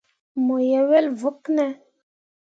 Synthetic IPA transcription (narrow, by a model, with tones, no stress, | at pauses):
mo˨jɛ˨˦wɛ˦lvu˦knɛ˦